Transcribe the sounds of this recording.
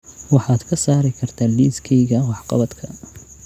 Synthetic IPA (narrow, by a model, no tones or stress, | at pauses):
wɑħɑːd̪kʰɐsaːɾɪkʰɐrt̪ʰaːliːskʰɛjɣɐwɑħqɑ̰βɐd̪kʰɐ